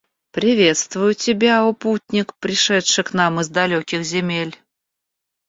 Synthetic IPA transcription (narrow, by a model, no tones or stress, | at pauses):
pɾʲɪvʲe̞t̪st̪vʊjʊtʲɪbʲaoputʲnʲɪkpɾʲɪʂɛtʂɨknamɨzd̪ɐlʲokʲɪxzʲɪmʲelʲ